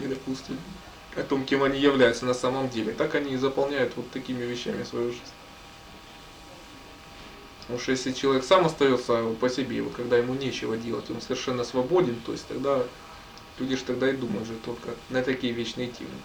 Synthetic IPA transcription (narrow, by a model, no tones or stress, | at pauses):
nʲɪd̪ɐpusʲtʲɪtʲ | ɐt̪o̞mkʲemɐnʲijɪvlʲæjʊt̪sənɐsaməmdʲelʲɪt̪akɐnʲizəpɐlˠnʲæjʊt̪vo̞t̪ːɐkʲimʲɪvʲɪɕːæ̰mʲɪsvɐjuʐɨzʲnʲ | pət̪ɐmuʂjesʲlʲɪt͡ɕɪlˠɐvʲeksamɐst̪ɐjo̞t̪səpəsʲɪbʲejɪ̰vot̪kɐɡd̪ajɪmunʲet͡ɕɪvədʲe̞lˠə̰tʲo̞nsəvʲɪrʂɛnːəsvɐbo̞dʲɪnt̪o̞̰ɪsʲtʲt̪ɐɡd̪a | lʲudʲɪʂt̪ɐɡ̚d̪aɪd̪uməjʊt̪ʐɨt̪o̞lʲkənət̪ɐkʲijəvʲet͡ɕnɨjətʲʰḛmɨ